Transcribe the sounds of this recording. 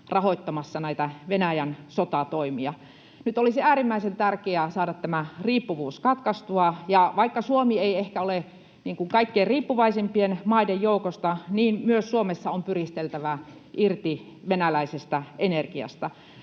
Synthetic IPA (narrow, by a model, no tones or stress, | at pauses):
rɑhoit̪ːɑmɑsːɑnæit̪æʋenæjænsot̪ɑt̪oimiɑ | nyt̪olisiæːɾimːæisent̪ærkeæsɑːdɑt̪t̪æmæriːpːuʋuːskɑt̪kɑst̪uɑjɑʋɑikːɑsuomieiehkæole | niːŋkuŋkɑikːierriːpːuʋɑisempienmɑidejjoukost̪ɑniːnmyøssuomesːɑompyrist̪elt̪æʋæ | ʔirt̪i | ʋenælæisest̪ɑʔenerkiɑ̰st̪ɑ